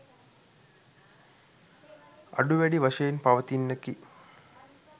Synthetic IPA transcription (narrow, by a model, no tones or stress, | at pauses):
a̰ɖuʋæɖiʋɐʂɐjenpaʋət̪inːeki